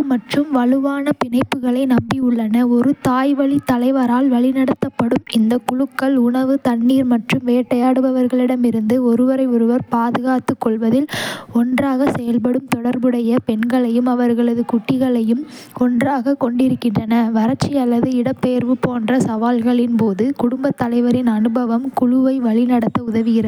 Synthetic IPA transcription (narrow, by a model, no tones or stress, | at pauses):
kɯmɐʈrɯmʋɐɭɯʋaːnɐpɪnɐɪpːɯɣɐɭɐɪnɐmbiʊɭːɐnɐɔɾɯt̪aːjʋɐɭit̪ːɐlɐɪʋɐɾaːlʋɐɭɪnɐɽɐt̪ːɐpːɐɽɯmɪnd̪ɐkʊɭɯkːɐɭʊɳɐʋɯt̪ɐɳːiːɾmɐʈrɯmʋeːʈːɐjaːɽɯbɐʋɐɾɣɐɭɪɽɐmɪɾɯnd̪ɯɔɾɯʋɐɾɐɪɔɾɯʋɐɾpaːðɯɣaːt̪ːɯkːɔɭʋɐðɪlɔndraːɣɐsɛjɐlpɐɽɯmt̪ɔɽɐɾbɯɽɐjɐpɛnɡɐɭɐjɯmɐʋɐɾɣɐɭɐðɯkʊʈːɪɣɐɭɐjɯmɔndraːɣɐkɔɳɖɪɾɯkːɪndrɐnɐʋɐɾɐt͡ʃːiɐlːɐðɯɪɽɐpːejɐɾʋɯpoːndrɐsɐʋaːlɣɐɭɪnpoːðɯkʊɽʊmbɐt̪ːɐlɐɪʋɐɾɪnɐnɯbɐʋɐmkʊɻʊʋɐɪʋɐɭɪnɐɽɐt̪ːɐʊðɐʋɪɣɪɾɐð